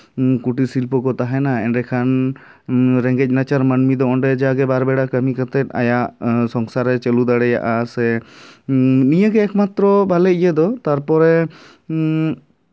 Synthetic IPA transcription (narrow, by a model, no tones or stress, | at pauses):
kuʈisilpɔkɔt̪aɦɛnaɛɳɖɛkʰan | ɾɛ̃ŋɡɛc̚ˀnat͡ʃaɾmənmid̪ɔʔɔɳɖɛd͡ʒaaɡɛbaɾbɛɽakəmikət̪ɛt̪̚ˀa̰jaʔsɔŋsaɾɛt͡ʃəlud̪aɽɛja̰ʔasɛ | nijəɡɛːkmat̪ɾɔbʱalɛijəd̪ɔt̪aɾpɔɾɛ